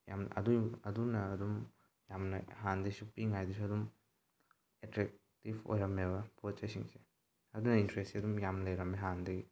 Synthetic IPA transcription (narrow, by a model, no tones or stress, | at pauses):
ja̰mɐ̰duɐdunɐːdum | jamnɐ̰ɦandɐjsupiŋajdisuɐdum | etɾek̚ | tibo̰jɾɐmeβɐpot̚t͡ʃɐjsiŋse̥ | ɐdunɐintɾesiɐdumjamnlɐjɾɐmeɦandɐɡi